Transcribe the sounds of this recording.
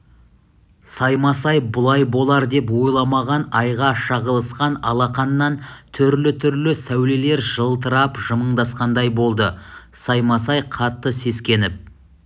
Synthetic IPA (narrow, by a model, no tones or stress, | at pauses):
sɑjmɑsɑjbʊlˠɑjbo̞lˠɑɾd̪e̞p̬wo̞jlˠɑmɑʁɑnɑjʁɑʃɑʁəlˠəsqɑnɑ̰lˠɑqɑnːɑnt̪ʰʏɾlɪt̪ʰʏɾlɪsæwle̞le̞ɾʒəlˠt̪əɾɑpʒəməɴd̪ɑsqɑnd̪ɑjbo̞lˠd̪əsɑjmɑsɑjqʰɑt̪ːəse̞skʲe̞nɪp̚